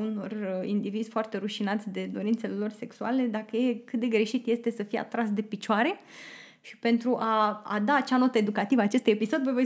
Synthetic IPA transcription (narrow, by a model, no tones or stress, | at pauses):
uno̞rḭnd̪ivizʲfoart̪e̞ɾuʃinat̪sʲd̪e̞d̪o̞ɾint̪se̞lelo̞rse̞ksuale̞d̪akəje̞kɨt̪̚d̪e̞ɡɾe̞ʃit̪je̞st̪e̞səfijea̰t̪ɾasd̪e̞pit͡ʃoaɾe̞ | ʃi̥pe̞nt̪ɾuʔaa̰d̪aːt͡ʃanot̪əe̞d̪ukat̪ivaːt͡ʃe̞st̪ujepiso̞d̪ʲvəvo